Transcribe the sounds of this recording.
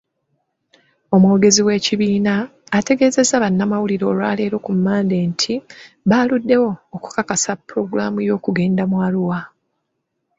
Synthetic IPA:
o̞mwo̞ːɡe̞ziwe̞ːciβiːnaːte̞ɡe̞ːze̞zaβanːamawuliɾo̞ːlwaːle̞ːɾo̞kumːaːnde̞ːntʰi | βaːludːe̞wo̞ːku̥kakasapːɾo̞ɡuɾaːmujo̞ːkuɡe̞ːndamwaːluwa

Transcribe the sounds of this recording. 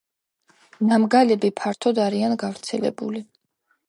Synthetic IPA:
namɡalɛbipʰaɾt̪ʰɔd̪aɾianɡavɾt̪sʰɛlɛ̰buli

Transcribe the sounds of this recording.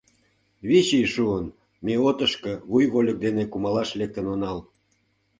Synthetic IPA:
βit͡ɕijʃuən | meot̪əʃkə̆βujɣolʲək̚d̪enekumɑlɑʃlek̚t̪ə̆nonɑl

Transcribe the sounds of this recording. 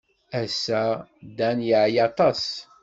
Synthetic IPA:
æsːæd̪ænjəʕjɑt̪ˤɑs

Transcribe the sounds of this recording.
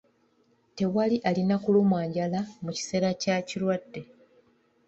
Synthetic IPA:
te̞waliʔalinakulumwaːɲɟalamuci̥se̞ːɾacacilwadːe̞

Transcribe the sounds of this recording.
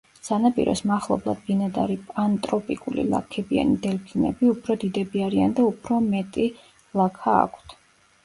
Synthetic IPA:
sanapʼḭɾɔ̰smaχlˠɔ̰blˠa̰d̪̚binad̪aɾipʼant̪ʼɾɔpʼikʼulḭlˠa̰kʰɛbia̰nid̪ɛlpʰinɛ̰biupʰɾɔd̪id̪ɛbiaɾiand̪aupʰɾɔmɛt̪ʼi | lˠakʰa̰ːkʰt̪ʰ

